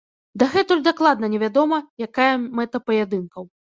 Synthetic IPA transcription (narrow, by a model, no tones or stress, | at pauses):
d̪aɣɛt̪ulʲd̪aklˠad̪nɐnʲɛvʲad̪ɔmɐjakajɐmɛt̪ɐpɐjɛd̪ɨnkɐw